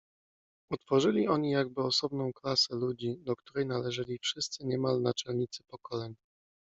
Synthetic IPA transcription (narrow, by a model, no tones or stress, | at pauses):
ut̪fɔʐɘlʲiɔɲijaɡ̚bɘɔsɔbnɔ̃w̃klasɛlud͡ʑid̪ɔkt̪uɾɛjnalɛʐɘlʲifʂɘst̪sɘɲɛmalnat͡ʂɛlɲit̪sɘ̥pɔkɔlɛɲ